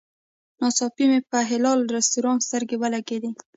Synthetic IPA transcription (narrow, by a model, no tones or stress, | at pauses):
nɑsɑpimepəɦɪlɑlɾast̪uɾɑnst̪əɾɡewəlaɡed̪i